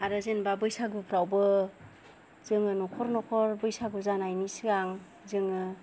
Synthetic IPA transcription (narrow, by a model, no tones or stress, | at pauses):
aɾɯzenbabɯjsaɡupʰɾawbɯ | zɯŋɯnɔkʰɔɾnɔkʰɔɾbɯjsaɡuzanajnisiɡaŋ | zɯŋɯ